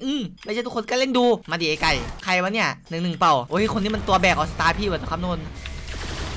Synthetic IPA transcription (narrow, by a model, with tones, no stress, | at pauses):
ʔɯː˧˩mla˧˨t͡ɕa˧˩t̪ʰu˦˥kʰo˧nka˧˩le˥˩nduː˧maː˧diː˨˧˩ka˧˩jkʰa˧˩jba˧˦nːi˧˥˩ɐnɯ˨˩ŋnɯ˨˩ŋpa˨˩wʔoː˧˦˧kʰo˧nːiː˥˩m˧nt̪u˧ɐbɛː˨˩k̚ʔa˨˩sa˧t̪aː˧pʰiː˧˩waː˧˩t͡ɕa˧˩kʰnuː˧˩˨na˧˩